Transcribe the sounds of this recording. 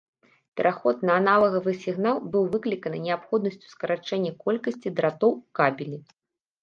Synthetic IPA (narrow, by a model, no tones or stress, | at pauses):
pʲɛɾʔaxɔt̪nɐːnalˠɐɣɐvɨsʲiɣnalˠbɨwvɨklʲikɐnɨnʲɛapxɔd̪nɐsʲt͡sʲu̥skɐɾat͡ʂɛnʲːɐkɔlʲkɐsʲt͡sʲid̪ɾat̪ɔwkabʲilʲi